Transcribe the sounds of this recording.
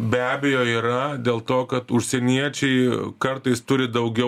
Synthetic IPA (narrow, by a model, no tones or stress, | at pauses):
bʲæːbʲejoːiːɾɐd̪ʲeːlˠt̪oːkɐt̪ʊʃʲsʲɛnʲiɛt͡ʃʲɛɪkɐɾt̪ɐɪst̪ʊɾʲɪd̪ɐʊɡʲɛ